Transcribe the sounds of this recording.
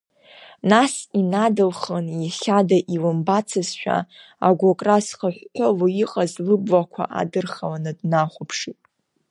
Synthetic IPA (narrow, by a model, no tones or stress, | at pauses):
nasinadɨlχaniχʲadaʔilɨmbat͡sʰɨzʃᶣa̰a̰ɡʷakʼrasχəħʷħʰʷolojiqʼazlɨbʷwakʷʰa̰ʔa̰dɨrχalanɨdnaχʷʊpʰʂitʼ